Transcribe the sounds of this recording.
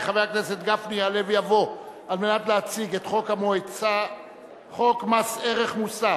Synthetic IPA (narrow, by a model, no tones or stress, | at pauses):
χavehaknese̞t̪ɡafniale̞vejavo̞almenatleat͡siɡetχo̞kamoet͡sa | χo̞kmaseʁe̞χmusa